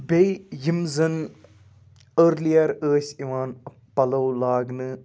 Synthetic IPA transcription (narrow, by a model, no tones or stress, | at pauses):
bejjimzɐn | əɾlijɐɾəːsiʋãːn | pɐlowlaːɡnɨ